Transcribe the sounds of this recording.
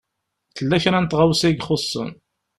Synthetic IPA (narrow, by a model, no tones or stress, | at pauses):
θəlːæçɾænt̪ʁawsæɡχosˤːə̰n